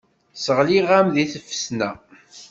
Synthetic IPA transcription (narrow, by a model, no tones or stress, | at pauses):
səʁliʁæmðiθəfə̥snæ